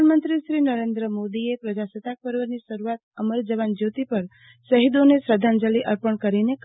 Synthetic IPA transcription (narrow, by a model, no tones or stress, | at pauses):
nmənt̪ɾiʃɾinəɾend̪ɾəmod̪iepɾəd͡ʒasət̪ak̚pəɾʋəniʃəɾuat̪əməɾd͡ʒəʋand͡ʒot̪ipəɾ | ʃəɦid̪onesɾəd̪ʱand͡ʒəliʔəɾpəɳkəɾinek